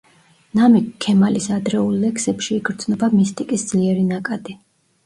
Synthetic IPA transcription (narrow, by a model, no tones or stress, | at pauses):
namɛɛmalisad̪ɾɛulˠːɛkʰsɛpʃiːɡɾd̪znɔbamist̪ʼikʼisd̪z̥liɛɾinakʼad̪i